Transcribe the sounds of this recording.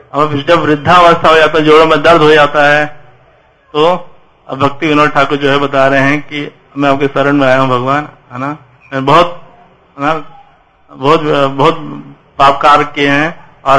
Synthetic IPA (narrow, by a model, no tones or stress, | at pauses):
ɐmãpɪt͡ʃʰlɐbʋɾɪd̪ʱːaʋəst̪ʰaɦod͡ʒaːt̪aɦɛ̃d͡ʒoːɽõmẽd̪ɐɾd̪ʱɦod͡ʒaːt̪aɦɛ | t̪o | bʱɐk̚t̪iʋɪnoʈʰakod͡ʒoːɦɛbɐt̪aɾɐɦeɦɛ̃ki | ɐmẽaːp̚kesɐɾəɽ̃mẽaːjaɦũbʱɐɡʋaːnɦɛna | ɛbɐɦʊt̪̚ | ɦɛna | bɔɦʊt̪bɐɦʊt̪̚ | paːp̚kaːɾkeɦɛ̃ | ɔːɾ